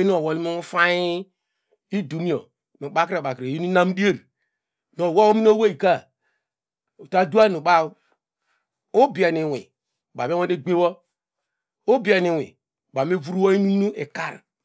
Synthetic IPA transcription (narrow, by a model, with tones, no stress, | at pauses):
nu˦o˨wo˨li˦mi˦u˦fa˦ji˦ | i˦du˨mi˦o̰˨ | nu˨ɓa˦kɾa˨ba˨kɾe˨ji˦nu˦na˦m˦di˦e˦ɾi˨ | no˨wo˦o˦mi˦n˦o˦we˦i˨ka˦˨ | o˨ta˦du˦a˦nu˨ɓa˦u˦ | o˦bi˨a˨ni˨wḭ˨ | ba˨me˦wo˦e˦ɡ͡be˦wɔ˦ | o˦bi˨˦a˨ni˨wḭ˨ | ɓa˨m˦e˦vu˦ɾu˦wo˦i˦ni˦nu˦ʔe˨ka˦˨ɾ